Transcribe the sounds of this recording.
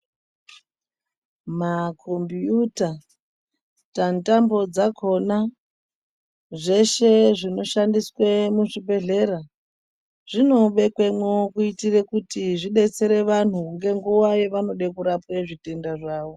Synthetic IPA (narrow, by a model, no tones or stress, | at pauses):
makʰombijuta | tantambo̞d͡zakʰo̞na | ʐe̞ʃe̞ʐino̞ʃandiswemuʐibʱe̞ɮe̞ɾa | ʐ̥ino̞ɓe̞kwe̞mwokuitirekutiʐiɗe̞t͡se̞ɾe̞ʋan̤uŋɡe̞ŋɡuwaje̞ʋano̞ɗekuɾapweʐite̞ndaʐaːʋo